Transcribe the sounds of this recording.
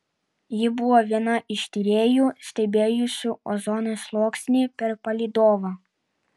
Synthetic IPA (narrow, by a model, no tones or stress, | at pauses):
jɪbʊʋoːʋʲiɛnɐʔɪʃʲt̪ʲiːɾʲeːjuːsʲt̪ʲɛbʲeːjʊsʲuːɔ̰zɔːnoslˠoːksʲnʲiːpʲɛɾpɐlʲiːd̪oːʋɐ